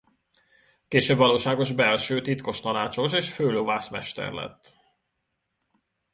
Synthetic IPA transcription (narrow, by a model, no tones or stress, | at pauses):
keːʃøːbvɒloːʃaːɡo̞ʒbɛlʃøːt̪it̪ko̞ʃt̪ɒnaːt͡ʃo̞ʃeːʃføːloːvaːsmɛ̰ʃt̪ɛ̰rlɛ̰t̪ː